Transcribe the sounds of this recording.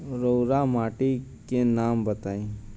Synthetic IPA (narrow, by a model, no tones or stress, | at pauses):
ɾoːɾamaːʈikenaːmbət̪aːĩː